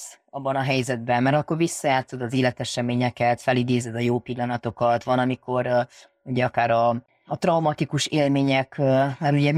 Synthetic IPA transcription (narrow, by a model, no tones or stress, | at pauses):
s | ɒbːɒnɒɦɛjzɛd̪̚bɛmmɛɾɒkːo̞rʋisːɒjaːt̪so̞d̪ɒzeːlɛt̪ɛʃɛmeːɲɛkɛt̪fɛlid̪eːzɛd̪ɒjoːpilːɒnɒt̪o̞kɒt̪vɒnɒmiko̞ɾ | uɟɛɒkaːɾɒː | t̪rɒumɒt̪ikuʃeːlmeːɲɛkmɛɾuɟɛ